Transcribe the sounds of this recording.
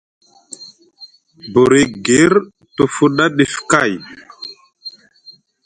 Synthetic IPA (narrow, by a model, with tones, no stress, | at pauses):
bo˨ɾi˨ɡe˨˦ɾ | tu˨fu˦ɗa˦ɗi˨fka˦˨j